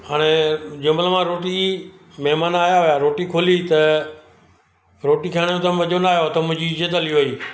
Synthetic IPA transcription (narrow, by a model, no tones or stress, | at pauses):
ɦaːɽ̃ed͡ʑʊmbələmãɾoːʈimɐɦmaːnaːjaɦʊjaɾoːʈikʰoːlit̪ɐ | ɾoːʈikʰaːɽ̃jõt̪ɐ̃mɐd͡ʑonaːjot̪ɐmʊ̃ɦɪ̃ɲd͡ʑid͡ʑət̪əliʋoiː